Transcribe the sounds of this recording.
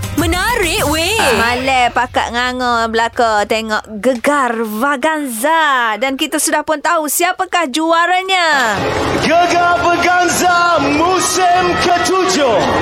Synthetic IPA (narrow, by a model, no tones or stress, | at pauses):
mə̃naɾɪʔwemalɛpaka̰ʔ̪̚ŋaŋɔblakat̪eŋɔʔɡəɡarvaɡanzadankit̪asudahpʊnt̪aɦusiapakahd͡ʒuaɾaɲa | ɡəɡarvaɡanzamusɪmkət̪ud͡ʒo